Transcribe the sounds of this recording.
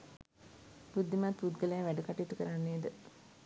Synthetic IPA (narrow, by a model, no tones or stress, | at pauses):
pud̪ːimat̪pud̪ɡələjaʋæɖəkaʈiit̪ukəɾanːeːd̪ə